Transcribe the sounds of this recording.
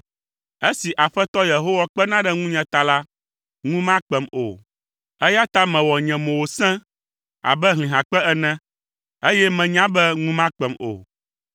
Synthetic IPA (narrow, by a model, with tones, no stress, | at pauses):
e˦si˨ʔa˨ɸɛ˦t̪ɔ˦je˨ɦo˦wa˦k͡pɛ˦nã˦ɖɛ˦ŋũ˦ɲɛ̃˨t̪a˨la˦ | ŋũ˦mã˦k͡pɛ˦mo̰˨ | ɛ˦ja˦t̪a˦mɛ̃˨wɔ˨ɲɛ̃˨mɛ̃˨wo˨sɛ̃˦ | a̰˨bɛ˦ɦlĩ˨ɦã˨k͡pɛ˦ɛ˦nɛ̃˦ | e˦jɛ˦mɛ̃˨ɲã˦bɛ˦ŋũ˦mã˦k͡pɛ˨mo̰˨